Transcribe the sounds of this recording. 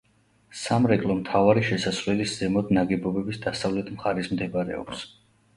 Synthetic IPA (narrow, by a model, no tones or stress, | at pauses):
samɾɛkʼlˠɔmt̪ʰavaɾiʃɛsasvlɛlisz̥ɛmɔd̪naɡɛbɔbɛbisd̪asavlɛt̪ʰmχaɾismd̪ɛbaɾɛ̰ɔ̰ps